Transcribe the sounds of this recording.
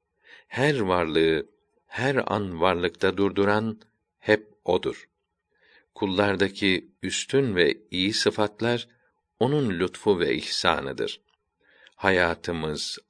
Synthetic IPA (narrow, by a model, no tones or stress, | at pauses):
hæɾvaɾlˠɯɯ | hæɾa̰nvaɾlˠɯkt̪ʰad̪uɾd̪uɾan | hɛp̚o̞d̪uɾ̥ | kʰulˠːaɾd̪acʰiyst̪ʰynvɛijisɯfat̪lˠaɾ | o̞nunlʲut̪fuvɛ̰ʔḭhsa̰ːnɯd̪ɯ̰ɾ̥ | hajaːt̪ʰɯmɯz̥